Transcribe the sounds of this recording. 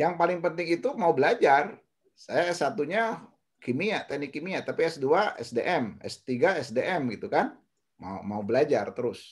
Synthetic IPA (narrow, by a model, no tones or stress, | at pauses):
jaŋpalɪŋpənt̪ɪŋit̪umaubəlad͡ʒar | sajaɛsːat̪uɲa | kimiaʔt̪ɛnɪkːimiat̪apiɛsduaɛ̰sdeʔɛmɛ̰st̪iɡaɛsdeʔɛmɡit̪ukan | ma̰ṵmaubəlad͡ʒart̪əɾʊs